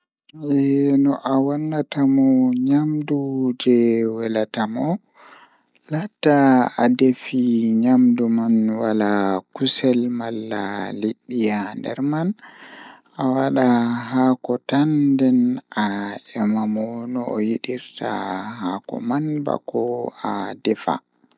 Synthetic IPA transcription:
ʔɛnɔʔawanːatamɔɲamdud͡ʒɛwɛlatamɔ | latːaadefiɲamdumanwalakusɛlmalːa̰liɗːijandɛ̰ɾman | awaɗaɦakɔtandɛnʔaɛmamɔnɔːjiɗiɾtahakɔ̰manba̰kɔadɛfa̰

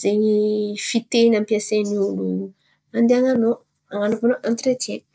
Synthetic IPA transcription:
z̥eɲifit̪enampiaseninunu | and̪eaŋano | aŋanopanoʔant̪ɾet͡ʃe

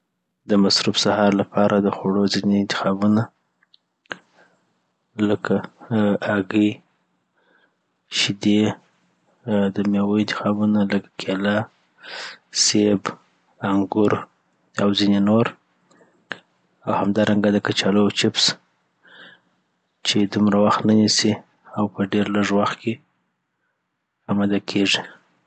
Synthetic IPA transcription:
d̪əmasɾufsahɑɾlapɑɾʔad̪əxoɽozineːnt̪ɪ̥xɑbuna | ləkʰaː | ɡə | ʃɪd̪e | d̪əmjewoɪnt̪ɪ̥xɑbunaləkḁkʰela | seb | aŋɡʊɾ | awzinenoɾ | awhamd̪ɑɾʔaŋɡad̪əkat͡ʃɑləjt͡ʃɪps | t͡ʃed̪umɾawaxt̪nanisi | awpəɖeɾləʐwaxt̪̚ke | amad̪akʰeʐi

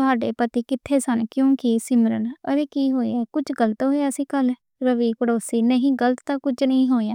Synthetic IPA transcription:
ʊɦaːɖeːpət̪iːkɪt̪ʰːeːsənkjõːkɪsɪməɾənəɾeːkiːɦoːḛːɛːkʊt͡ʃʰɡələt̪ɦoːaːəsĩːkəl | ɾəʋiːkəɽoːsiːnəɦĩːɡələt̪t̪ãːkʊt͡ʃnəĩːɦoːejãː

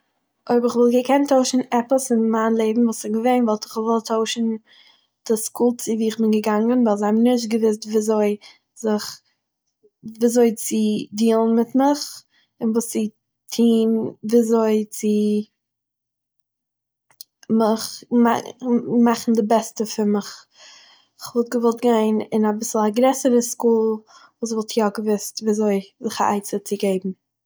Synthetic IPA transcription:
ʔoɪbəɾɪχvɪlˠɡəkʰɛntʰoʊʃn̩ɛpəsɪnmaːnlˠeɪbm̩vuːsɪɡəveɪnvɔlˠtɪ̥χvɔlˠtʰoʊʃn̩ | d̥ɪskuːlˠt͡sɪviːɪχbɪnɡəɡaŋənvaɪlˠzabnɪʃ̬t̚ɡəvɪs̬tviːzoɪ | zɪχ | viːzoɪt͡sɪdiːlˠən̩mɪtmɪχ | ɪnvuːst͡sɪ | tʰiːnviːzoɪt͡sɪ | mɪχmamaχn̩dɪbɛstəfɪɾmɪχ | ɪχvɔlˠt̚ɡəvɔlˠt̚ɡaɪnɪnabɪsl̩ˠaɡɾɛsəɾəskuːlˠ | vuːs̬vɔlˠtʰjɔɡəvɪstviːzoɪzɪχa̰a̰ɪt͡sət͡sɪɡeɪbm̩

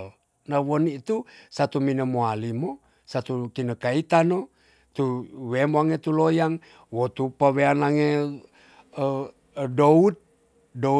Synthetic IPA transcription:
l | nawonit̪usat̪uminəmoalimo | sat̪ukinəkait̪ano | t̪uwemaŋet̪ulojaŋ | wot̪upaweanaŋe | dout̪̚ | do

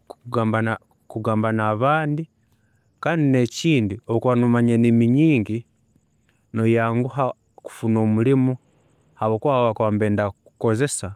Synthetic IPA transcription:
uɡambana | kuɡaːmbanaβaːndi | kaːndineciːndiokwanumaɲenimiɲiːŋɡi | nojaːŋɡuɦa | ku̥funoːmulimu | haβokwaβakwaːmbeːndaku̥ko̞ze̞sa

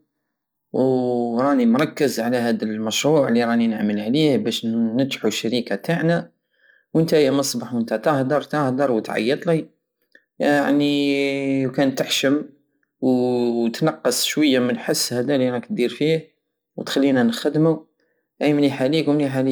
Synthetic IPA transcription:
wɾˤɑnimɾˤɑkːəzʕlæhæd̪əlmæʃɾˤuʕliɾˤɑninəʕməlʕlihbæʃnət̪ħuʃːæɾikat̪aʕnæ | wʔənt̪æjæmɑsˤbɑħwənt̪æt̪əhd̪ɑɾˤt̪əhd̪ɑɾˤwət̪ʕɑ̰jːət̪ˤli | a̰ʕni | wkænt̪əħʃəm | wt̪nɑqːəsˤʃwəjːamənħəsːhæd̪æliɾˤɑkt̪̚d̪iɾfih | wət̪xælːinænxəd̪mu | ʔæjmniħalikwmniħali

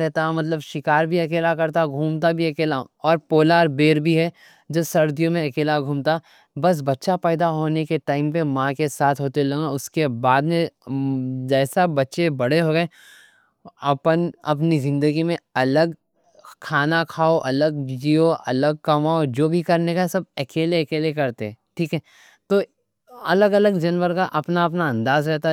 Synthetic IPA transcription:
ɾɛɦt̪aɦmɐt̪̬ləbʃɪkaːɾbʱiɐkeːlakɐɾt̪aɡʱuːmt̪abʱiɐkeːla | ɔːɾpoːlaːɾbeːɾbʱiɦɛ | d͡ʒoːsɐɾd̪ijõmẽɐkeːlaɡʱuːmt̪a | bɐs̬bɐtːʃapɛːd̪aɦoːnekeʈaːɪmpemãkesaːt̪ʰɦoːt̪elɐɡãʊskebaːd̪mẽ | d͡ʒɛːsabɐtːʃebɐɽ̤eɦoːɡɐe | ɐpənɐpnizɪ̃nd̪əɡimẽɐləɡ | kʰaːnakʰaːoʔɐləɡd͡ʒiːoʔɐ̰ləɡ̚kɐmaːod͡ʒoːbʱikɐɾnekasɐb̚ekeːleekeːlekɐɾt̪eɛ̃ːʈʰiːkɦɛː | t̪oː | ɐləɡɐləɡd͡ʒɐnʋəɾkaʔɐpnaɐp̬naɐ̃nd̪aːzɾɛɦt̪a

